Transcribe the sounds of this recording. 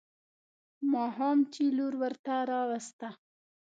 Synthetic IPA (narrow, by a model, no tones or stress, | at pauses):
mɑɦɑmt͡ʃiluɾwəɾt̪aɾɑwast̪a